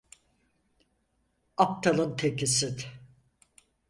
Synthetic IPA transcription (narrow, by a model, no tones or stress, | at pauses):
ap̚t̪ʰalˠɯnt̪ʰekʰisid̪